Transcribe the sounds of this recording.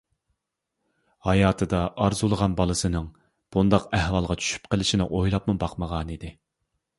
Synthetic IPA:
hɑjɑːt̪ʰɨd̪ɑʔɑɾzulˠəʁɑnbɑlˠɨsɨnɨŋ | b̥und̪ɑqɛhwɑlˠʁɑt͡ʃʰy̥ʃy̥p̚qʰəlɪʃinɪ̰ʔojlˠɑpmubɑqməʁɑnid̪ɪ

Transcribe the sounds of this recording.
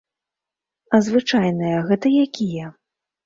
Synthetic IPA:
ɐzvɨt͡ʂajnɐjɐɣɛt̪ɐjakʲijɐ

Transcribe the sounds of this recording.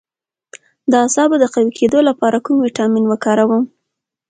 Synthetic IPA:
d̪əasɑbod̪əqawikʰed̪olapɑɾakumwiʈɑminwəkɑɾawəm

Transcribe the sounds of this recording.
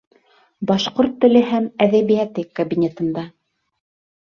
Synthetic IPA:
bɑʃqoɾt̪ːɘ̆lɘɦæmæðæβijæt̪ɘkɐbʲinʲet̪ɤ̆nd̪ɑ

